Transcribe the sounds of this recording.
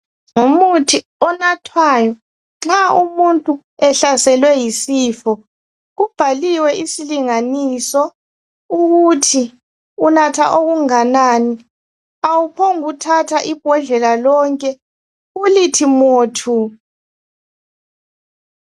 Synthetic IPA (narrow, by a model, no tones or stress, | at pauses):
ŋomutʰi | ɔnatʰwajɔ | ŋ͡ǁaumuntʼu | ɛɬasɛlwɛjisiːfɔ | ub̥ʱaliwɛʔisiliŋaniːsɔ | uɣutʰi | unatʰaʔoɣuŋanaːni | awupʰoŋutʰatʰaʔib̥ʱɔɮɛlalɔŋkʼɛ | ulitʰimoːtʰu